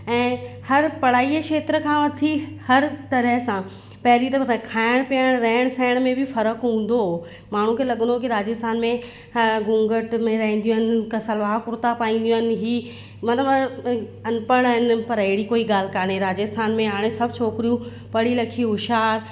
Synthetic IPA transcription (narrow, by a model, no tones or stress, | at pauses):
ɛ̃ːhɐɾpɐɽ̤aːikʃeːt̪ɾəkʰãʋɐt̪ʰihɐɾt̪ɐɾəɦsã | pɐɦɪɾit̪ɐɐkʰaːɪɽ̃piəɽ̃ɾɐɦɪɽ̃sɛːɪɽ̃mẽbɪfɐɾəkɦũːn̆d̪o | maːɳ̤ũkʰeːlɐɠə̃n̆d̪okiɾaːd͡ʑəst̪ʰaːnmẽ | ɡũːŋɡəʈmẽɾɐɦĩːn̆d̪iũɦənɪ̆kɐsɐlʋaːkʊɾt̪apaːĩːn̆d̪iũɦənɪ̆ɦiː | mɐnəb | ɐnpəɽ̃ɦɪnpɐɾɐɦɪɽikoːiɡaːl̤ɪ̆kaːnɦeɾaːd͡ʑəst̪ʰaːnmẽɦaːɽ̃esɐb̚ʱt͡ɕʰoːkɾijũ | pɐɽ̤ilɐkʰiɦʊʃaːɾ